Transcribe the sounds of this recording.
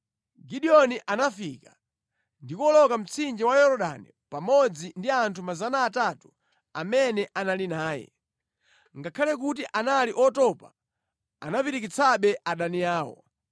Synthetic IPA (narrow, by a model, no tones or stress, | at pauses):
ɡiɗiɔniʔanafika | ndikɔlɔkam̩t͡sʰind͡ʒiwajɔɾɔɗa̰nḭ | pamɔd͡zindiantʰumazanaːtatu̥ | amɛnɛʔanalinaːjɛ̰ | ŋɡakʰalɛk̬ut̬iʔanaliʔɔtɔpa | a̰napiɾik̬it͡sʰaɓɛʔaɗaniaːwɔ̰